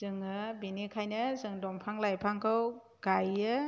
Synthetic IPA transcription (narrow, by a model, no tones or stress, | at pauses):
zɯŋɯbinikʰajnɯzɯŋdɔmpʰaŋlajpʰaŋkʰɯw | ɡ̥ajɯ